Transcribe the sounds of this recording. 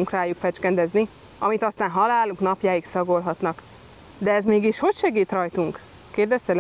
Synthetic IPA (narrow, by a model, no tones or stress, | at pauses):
uŋkraːjukfɛt͡ʃkɛnd̪ɛzni | ɒ̰mit̪ɒst̪aːnɦɒlaːluknɒpjaːjiksɒɡo̞lɦɒt̪nɒk | d̪ɛɛzmiːɡiʃho̞cʃɛɡiːt̪rɒjt̪uŋk | keːrd̪ɛst̪ɛl